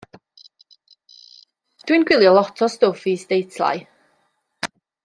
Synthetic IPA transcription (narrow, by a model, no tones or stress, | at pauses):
d̥winɡwɪlˠjɔlˠɔtʰɔstofistejtʰlˠa̰j